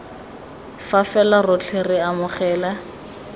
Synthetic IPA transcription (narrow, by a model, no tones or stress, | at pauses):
fafɛlarʊt͡ɬʰɪrɪamʊχɛːla